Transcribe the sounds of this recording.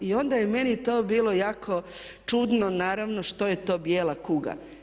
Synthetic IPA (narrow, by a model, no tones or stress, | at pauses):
io̞nd̪aje̞me̞nit̪o̞ːbiːlˠo̞jaːkʰo̞t͡ʃud̪nonaːɾaʋno̞ʃt̪o̞je̞t̪o̞ːbjeːlˠakuɡa̰